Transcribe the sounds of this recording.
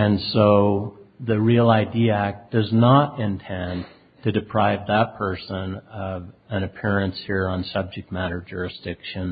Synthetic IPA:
ɨ̃nsoʊðɨɹilˠaɪdiɨæk̚d̥ʌznəɾɪ̃ntʰɛ̃n | tʰɨdɨpʰɹ̥aɪvðət̚pʰɜ˞sə̃nʌvɨ̃nɨpʰɪɹɨ̃nshiɹə̃nsʌb̚d͡ʒɨk̚t̚mæɾə˞d͡ʒʊɹɨsd̥ɪkʃɨ̃n

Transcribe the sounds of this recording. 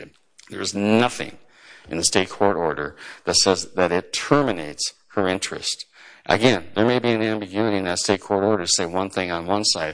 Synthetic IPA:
ðə˞ɨznʌθɪ̰̃ŋ | ʔɨ̰̃nðɨsteɪt̚kʰɔɹɾɔɹɾə˞ðɨtsɛzðɨɾɪtʰɜ˞mɨneɪts | hə˞ɪ̃nt͡ʃɹ̥ɨ̰stʔɨ̰ɡɛ̃nðə˞meɪbiɨ̃næ̃mbɨɡjʉɨɾiɨ̃nðɨtsteɪt̚kʰɔɹɾɔɹɾə˞ɾseɪwʌ̃nθɪ̃ŋə̃nwʌ̃nsaɪ

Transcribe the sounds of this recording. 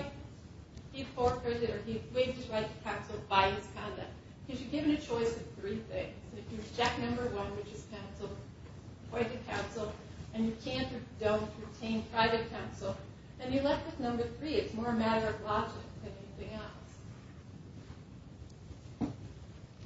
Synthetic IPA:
hiz̥fɔɹpʰɹ̥ɛzɨɾə˞iweɪv̚ðɨɹ̥aɪvɨ̥kʰãʊ̃nsl̩ˠbaɪɨz̥kʰɑ̃ndʌ̰k̚t̚ | hʌʃɨɡɪvɨ̃nɨt͡ʃʰɔɪsʌ̥θɹiθɪ̰̃ŋz̥̃nɨfjɨɹɨt͡ʃʰɛk̚nʌ̃mbə˞wʌ̃nwɨt͡ʃɨz̥kʰãʊ̃nsl̩ˠ | pʰɔ̃ɪ̃tɨ̥kʰãʊ̃nsl̩ˠ | ɨ̃njɨkʰæ̃nʔɨdõʊ̃ntʰɹɨtʰẽɪ̃npʰɹ̥aɪvɨt̚kʰãʊ̃nsl̩ˠ | ɨ̃njɨlɛt̚wɨθnʌ̃mbə˞θɹiɨtsmɔɹɨmæɾə˞ʌvlɑd͡ʒɪk̚ðɨ̃nɛniθɪ̃ŋɛlˠs

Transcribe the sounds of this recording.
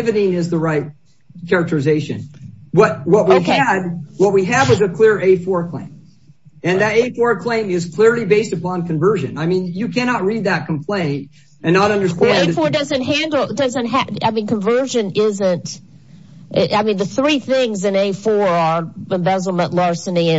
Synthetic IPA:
vɨɾĩnɪzðəɹaɪt̚ | kʰɛɹɨk̚tə˞ɨzeɪʃɨ̰̃nwʌt̚wʌt̚wiɨd̚wʌt̚wiɨdwʌzɨkʰl̥ɪɹeɪfɔɹkʰl̥ḛ̃ɪ̃m | ɨ̃nðɨɾeɪfɔɹkʰl̥ẽɪ̃mɪz̥kʰl̥ɪɹlˠibeɪstɨpʰɑ̃nkʰɨ̃ɱvɜ˞ʒɨ̰̃naɪmĩnjɨkʰæñɑt̚ɹid̪̚ðɨt̚kʰm̩pʰl̥ẽɪ̃nt̚ | ɨ̃nːəɾʌ̃ndə˞stæ̃ẽnɪfɔɹdʌzɨ̃nt̚ɦæ̃ndˡl̩ˠdʌzɨ̃nt̚ɦæaɪmĩnkə̃ɱvɜ˞ʒɨ̃nɪzɨ̃nt | ʔɪʔaɪmĩnðɨθɹiθɪ̃ŋzɨ̃neɪfɔɹə˞ɨ̃ɱvɛzl̩ˠmə̃nʔlɑɹsɨ̃niɨ̃

